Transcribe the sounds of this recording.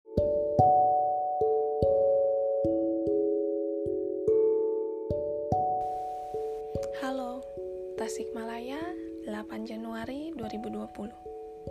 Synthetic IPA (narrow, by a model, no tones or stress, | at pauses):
halo | t̪asɪk̚malaja | lapand͡ʒanuaɾiduaɾibuduapuluh